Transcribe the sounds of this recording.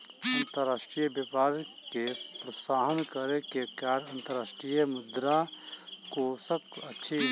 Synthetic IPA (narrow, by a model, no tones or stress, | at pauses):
ɐnt̪əɾːaːʃʈɾijbjəpaːɾ | kepɾəsaːɦənkəɾekekaːɾɐ̃nt̪əɾaːsʈɾijmʊd̪ɾa | kosəb̚ɐtːʃʰi